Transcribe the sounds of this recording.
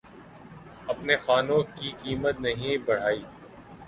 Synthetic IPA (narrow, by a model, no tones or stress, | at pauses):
ɐpnexaːnõkikiːmət̪̚nɐɦĩbɐɽ̤aːiː